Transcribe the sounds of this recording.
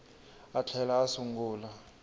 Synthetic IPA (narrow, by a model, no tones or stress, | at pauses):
at͡ɬʰɛlaːsuŋɡuːla